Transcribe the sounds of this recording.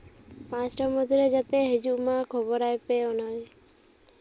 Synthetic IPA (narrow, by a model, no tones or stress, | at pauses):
pãt͡ʃʈamɔd̪ʱiɾed͡ʒat̪eɦed͡ʒuʔmãkʰɔbɔɾajpeɔnal